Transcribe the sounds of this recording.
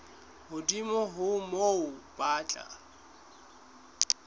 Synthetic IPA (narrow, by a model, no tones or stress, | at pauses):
hʊdimɔɦʊmoʊpʼaːt͡ɬʼa̰